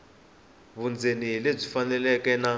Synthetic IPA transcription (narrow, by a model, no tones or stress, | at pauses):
βund͡zʱeniɦleb͡ʐifanɛlɛkɛna